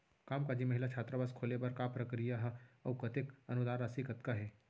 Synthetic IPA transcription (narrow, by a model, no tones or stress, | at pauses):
kaːmkad͡ʒimɐɦɪlat͡ʃʰaːt̪ɾəbaskʰoːlepɐɾkapɾɐkɾijaɦɐwkɐt̪ɪkɐnʊd̪aːɾasikɐt̪kaɦɛː